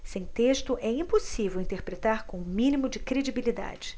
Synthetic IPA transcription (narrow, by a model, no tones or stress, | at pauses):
sẽj̃t̪eʃt̪ʊʔɛĩposivewĩnt̪eɾpɾet̪aɾkõũmĩnimʊd͡ʒɪkɾed͡ʒibilid̪a̰d͡ʒɪ